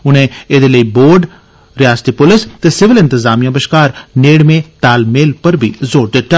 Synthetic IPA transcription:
ʊnẽːed̪eːləiːboːɖ | ɾɪjaːst̪iːpʊlɪst̪eːsɪʋɪlɪ̃nt̪ɪzaːmijãːbəʃkaːɾneːɽmẽːt̪aːlmeːlpəɾbʱḭːzoːɾd̪ɪt̪ːa

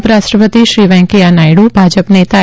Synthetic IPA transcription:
pɾaʃʈɾəpət̪iʃɾiʋɛ̃ŋkianajɽubʱad͡ʒəpnet̪a

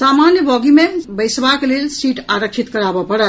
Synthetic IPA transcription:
samanjəbɔɡimebəjsbaklelsiʈaɾəkt͡ʃʰit̪kəɾabəpəɾə

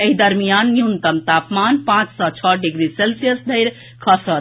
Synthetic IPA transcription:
eɦid̪əɾmijanːjunt̪əmt̪apmanpãt͡ʃsɔt͡ʃʰʌɖiɡɾiselsijəsd̪ʱəɪɾ | kʰʌsəɾ

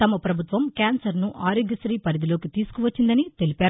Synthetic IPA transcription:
t̪ɐmɐpɾɐbʱut̪ʋɐmkaːnsɐɾnuʔaːɾjoɡɐsɾiːpɐɾid̪ilo̞ːkit̪iːsu̥kuʋɐt͡ʃːind̪ɐnit̪e̞lipaːɾ

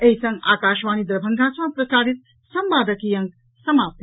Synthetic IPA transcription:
eisɐ̃ŋɡa̰ːkaːʃʋaːnid̪ɾɐbʱɐŋɡʱaːsãpɾɐsaːɽit̪̚ | sɐmʋaːd̪ɐkijɐŋɡ | sɐmaːp̚t̪

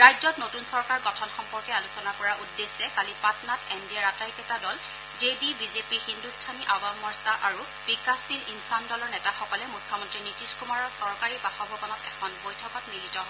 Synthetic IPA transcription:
ɹajzɔtnotunsɔɹkaɹɡɔtʰɔnxɔmpɔɹkɛalusɔnapɔɹaʔudːesɛkalipatnatendiaɹataɹikɛtadɔl | zedibizepihindustʰaniʔawamːɔɹsaʔaɹu | pikasilinsandɔlɔɹnɛtaxɔkɔlɛmujkʰːɔmɔntɹinitiskumaɹɔsɔɹkaɹipaxɔbʱɔbɔnɔtɛ̰kʰɔnbojtʰɔkɔtmilitɔ

